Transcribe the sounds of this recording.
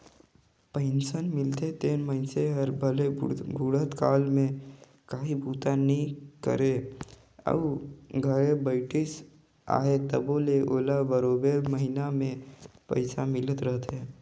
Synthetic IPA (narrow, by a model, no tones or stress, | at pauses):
pẽːɪnsənmɪlt̪et̪eːnməɦɪnseɦəɾbʱəlebʱuɽət̪kaːlmẽ | kaːɦibʱuːt̪anəɦĩkə̰ɾe | ə̰ʋɡʱəɾebəɪʈɪs | a̰ːɦet̪əboːleʔoːlabəɾoːbeməɦinamẽpə̰ɪsamɪlət̪ɾəɦt̪ɦeː